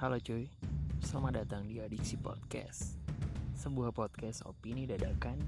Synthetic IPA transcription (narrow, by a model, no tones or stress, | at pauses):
kalod͡ʒojsəlamadat̪aŋdiadisipɔ̰t̪̚kɛ̰s | səbuahpɔt̪̚kɛso̰pinidadakan